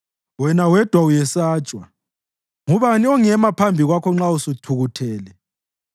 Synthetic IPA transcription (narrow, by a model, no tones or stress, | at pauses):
wɛnawɛd̥ʱwaujɛsaːt͡ʃʼwa | ŋuβaniɔŋɛmapʰambʱiɣwakʰɔŋ͡ǁausutʰuɣutʰɛːlɛ